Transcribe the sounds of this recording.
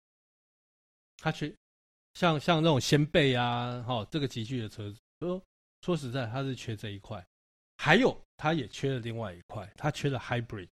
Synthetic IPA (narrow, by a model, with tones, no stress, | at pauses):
t̪ʰa˥t͡ɕʰɥɛ˥ | ɕjɑ˥˨ŋɕjɑ˥˧ŋna˥˩t͡so˨˩ŋɕjɛ˦˥npe˥˨ɪa˦xɔ˨˩ʈ͡ʂɤ˥˩ɡə˨t͡ɕi˧˨˦t͡ɕʰy˥˨d̪ə˩t͡sʰɤ˧˥t͡s̩˥˨˩ɔ˥ | t͡sʰwɔ˥ʂ̬ɻ̩˧˥t͡sa˥˩ɪt̪ʰa˥ʂɻ̩˥˩t͡ɕʰɥɛ˥t͡sə˥˧˨i˧˦kʰwa˥˩ɪ | xa˧˥ɪjo˨˩ʊt̪ʰa˦jɛ˨˩t͡ɕʰɥɛ˥˦˥lə˨li˥˧ŋwa˥˩ɪi˧˥kʰwa˥˩ɪt̪ʰa˦t͡ɕʰɥɛ˥lə˨xa˥ɪbɹḭ˨˩d̪̥̚